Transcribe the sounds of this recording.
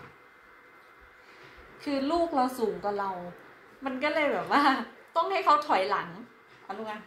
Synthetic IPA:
kʰɯː˧luː˥˩k̚la˧wsuː˩˦ŋkwa˨˩la˧w | ma˧nk̬ɔː˥˩lɤː˧jbɛː˨˩p̚waː˥˩t̪ɔ˥˩ŋha˥˩jkʰa˦˥wt̪ʰɔ˨˩˦jla˩˦ŋ | ʔa˧nuː˧˩ŋa˧n

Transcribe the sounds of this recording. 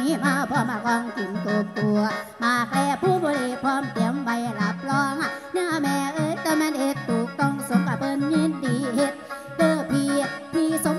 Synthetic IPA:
i˨˦maː˧pʰɔ˧maː˧kɔː˧ŋki˨˩nt̪o˨˩k̚t̪u˨˩ɐmaː˨˧˩k̚pɛː˧˩pʰuː˧˩˨boː˧˦nʔeː˨˩kʰwaː˧˥˨mt̪i˨˩˦əmwa˧jla˨˦p̚lɔː˧˥ŋa˧˩na˧˥ʔa˧˩mɛː˧˩ʔɤː˧˦t̪ɛ˧˩mɛ˧˥˨nhe˨˧˦t̪ʰːuː˨˩k̚t̪ɔ˧˩ŋso˨˦ŋka˧˩pɤː˧nɲə˧˥ndiː˨˩he˨˧˦t̪̚ | dɤː˧˩pʰiː˧p̪ʰiː˧˩so˨˦

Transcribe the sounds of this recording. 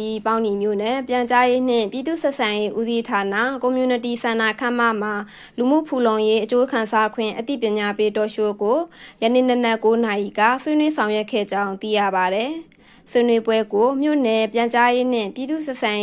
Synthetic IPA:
i˨pã˦ʊ̃ni˨mjo̰˦˨nɛ˨pjã˨ɲt͡ɕa˦je˦n̥ɪ̰̃˦˨mpji˨d̪ṵ˦˨sɛ˦ʔsʰã˨je˦ʔṵ˦zi˦tʰa˨na̰˦˨ko˨mju˨nə˨t̬i˨sʰã˨na˨kʰã˦˨m̥a̰˦˨m̥a˨ | lu˨m̥ṵ˦˨pʰu˨lõ˨ʊ̃je˦ʔət͡ɕo˦kʰã˨nsa˦kʰwɪ̰̃˦˨ʔət̪ḭ˦˨pjɪ̃˨ɲa˨pe˦tɔ˨ʃo˦ɡo˨jə˨nḛ˦˨nə˦nɛ˦ʔko˦na˨ʔḭ˨ɡa̰˦˨swe˦nwe˦sʰã˨ʊ̃jwɛ˦ʔkʰːɛ̰˦˨d͡ʑã˦ʊ̃nt̪ḭ˦˨jä̰˦˨ba˨ɾɛ˨ | swe˦nwe˦bwɛ˦ɡo˨mjo̰˦˨nɛ˨pjã˨ɲt͡ɕa˦je˦n̥ɪ̰̃˦˨mpji˨d̪ṵ˦˨sɛ˦ʔsʰã˨

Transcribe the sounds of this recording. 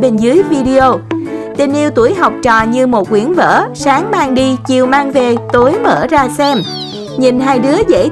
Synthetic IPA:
ɓe˧nzɨ˨˦əjvi˧ɗi˧o˧t̪i˨˩nʔi˧wt̪u˧˩əjɦa˨˩wk͡p̚t͡ɕɔ̰˧˨ɲɨ˧mo˨˩t̚kwi˨˦ənvə̰ː˧˥saː˨˦ŋmaː˧ŋɗi˧t͡ɕi˨˩əwmaː˧ŋve˨˩t̪o˨˦jmə̰ː˧˩zaː˧sɛ˧m | ɲi˨˩nɦaː˧jɗɨ˨˦əzḛ˧˥

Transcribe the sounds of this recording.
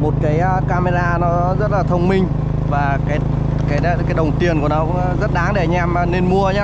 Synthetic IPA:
mo˨˩t̚kaː˨˦jkaː˧me˧zaː˧nɔ˨˦zə˦˥t̚laː˨˩t̪ʰə˧wŋ͡mmï˧ŋ̟ | vaː˨˩kaː˨˦j | kaː˨˦jkaː˨˦jɗə˨˩wŋ͡mt̪i˨˩ənku˧˩ənɔ˨˦kzə˦˥t̚ɗaː˨˦ŋɗe˧˩ɲ˧ʔɛ˧m˨ne˧nmu˧əɲaː˦

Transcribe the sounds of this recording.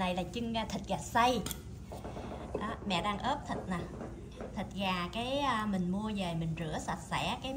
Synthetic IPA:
na˨˩jlaː˨˩t͡ɕɨ˧ŋː˧˩t̪ʰi˨˩t̚zaː˨˩sa˧j | ʔɔ˨˦mɛ̰˧˨ɗaː˧ŋʔəː˦˥p̚t̪ʰə˨˩t̚na˨˩ | t̪ʰi˨˩t̚zaː˨˩kaː˨˦jːmï˨˩ŋ̟mu˧əveː˨˩mï˨˩ŋ̟zɨ̰˧˩əsa˧˩t̚sɛ˧˩˥kaː˨˦

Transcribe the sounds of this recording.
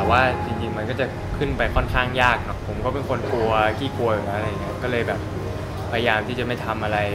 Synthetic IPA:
ɛ˨˩waː˥˩t͡ɕi˧ŋt͡ɕi˧ŋma˧nk̬ɔː˥˩t͡ɕa˨˩ | kʰɯ˥˩npa˧jkʰɔ˥˩nkʰaː˥˩ŋjaː˥˩k̚nɔ˦˥pʰo˩˦mkɔː˥˩pe˧nkʰo˧nt̪ʰu˧ɐkʰiː˥˩kʰu˧ɐju˨˩aː˦˧˥ɾa˧jːa˨˩ŋː˦˥˧kɔː˥˩lɤː˧jbɛː˨˩p̚ʰː | a˧ja˧jaː˧mt̪ʰi˥˩t͡ɕa˨˩ma˥˩jt̪ʰa˧mʔa˧ɾa˧j

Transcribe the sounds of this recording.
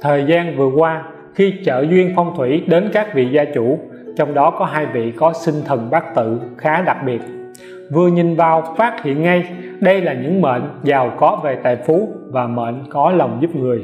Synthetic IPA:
t̪ʰəː˨˩jzaː˧nvɨ˨˩əkwaː˧ | xi˧t͡ɕə̰ː˧˨zwi˧ənfɔ˧wŋ͡mt̪ʰwḭ˧˩˥ɗe˨˦nkaː˦˥k̚vḭ˧˨zaː˧t͡ɕu˧˩ | t͡ɕɔ˧wŋ͡mɗɔ˨˦kɔ˨˦ɦaː˧jvḭ˧˨kɔ˨˦sï˧ŋt̪ʰə˨˩ŋɓaː˦˥k̚t̪ɨ̰˧˨xaː˨˦ɗa˨˩k̚ɓi˨˩ət̚ | vɨ˨˩əɲi˨˩nvaː˨˩wfaː˦˥t̚hḭ˧˨ənŋa˧j | ɗə˧jlaː˨˩ɲɨ̰˧˥ŋmḛ˧˨nzaː˨˩wkɔ˨˦ve˨˩t̪a̰ː˧˨jfu˨˦vaː˨˩mḛː˧˨nkɔ˨˦lə˨˩wŋ͡mzu˦˥p̚ŋɨ˨˩əj

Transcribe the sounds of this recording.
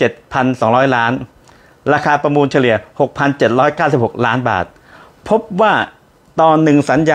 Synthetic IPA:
t͡ɕe˨˩t̪̚pʰa˧nsɔː˩˦ŋɾɔː˦˥jlaː˦˥n | ɾaː˧kʰaː˧pɾa˧muː˧nt͡ɕʰa˧li˨˩əho˨˩k̚pʰa˧nt͡ɕe˨˩t̪̚ɾɔː˦˥jkaː˥˩wsi˨˩p̚ho˨˩k̚laː˦˥nba̰ː˨˩t̪̚ | pʰo˦˥p̚waː˥˩ | t̪ɔː˧nːɯ˨˩ŋsa˩˦njaː

